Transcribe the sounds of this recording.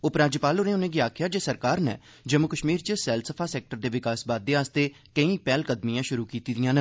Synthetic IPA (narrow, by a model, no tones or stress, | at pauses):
ʊpɾaːd͡ʒəpaːlʊnẽːʊnẽːɡiaːkʰjaːd͡ʒeːsəɾkaːɾnɛ̰ː | d͡ʒəmːʊkəʃmiːɾt͡ʃəsɛːlsəpʰaːsɛːk̚ʈəɾd̪eːʋɪkaːsbaːd̪ːeːaːst̪eː | kəĩːpɛːlkəd̪mijãːʃʊɾuːkiːt̪iːd̪ɪjãːnə